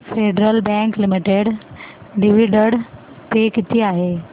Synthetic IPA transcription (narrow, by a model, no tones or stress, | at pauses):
feɖɾəlbɛ̃ŋklimiʈeɽ | ɖiʋiɖəɽ | t̪ekit̪ʰiːaɦe